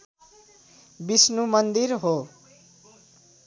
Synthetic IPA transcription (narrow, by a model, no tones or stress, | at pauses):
bisnumʌnd̪iɾɦo